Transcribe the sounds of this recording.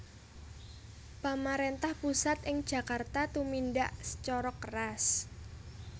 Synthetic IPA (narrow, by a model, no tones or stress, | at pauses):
pamaɾent̪ahpusat̪ɪŋd̥ʒ̥a̤kart̪at̪uminɖaʔsə̥t͡ʃɔɾɔkəɾas